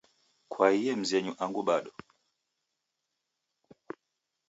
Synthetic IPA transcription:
kwaijɛm̩zɛɲuʔaŋɡuɓaɗɔ

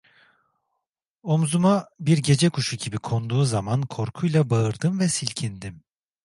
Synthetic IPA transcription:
omzumabiɾɟe̞d͡ʒɛkʰuʃuɟibikʰo̞nd̪uːzamankʰo̞ɾkʰujlˠabaɯɾd̪ɯmvɛsilʲcʰind̪im

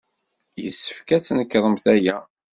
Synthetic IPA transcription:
jə̰sːə̥fkæt͡sːnəkːɾˤəmθæjæ

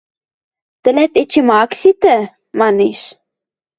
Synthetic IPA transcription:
t̪ə̆lɛt̪et͡ɕimɑksit̪ə | mɑneʃ

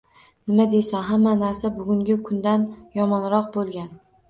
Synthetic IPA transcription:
nɪmad̪e̞saɦamːanaɾsabʊɡʲʊŋɡʲɪkʰʊnd̪anjɒmɒnɾɒq̚bolˠɡʲan

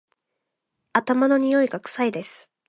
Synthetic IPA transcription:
at̪amano̞ɲ̟ijo̞iɡakɯ̟̥said̪e̞sɨ̥

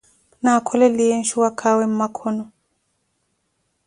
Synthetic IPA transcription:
nakʰɔlɛlijenʃuwakʰawem̩makʰɔnɔ

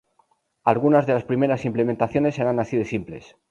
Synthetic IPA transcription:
alɣunazðe̞laspɾime̞ɾasimplement̪aθjo̞ne̞sːeɾanasiðesimple̞̰s

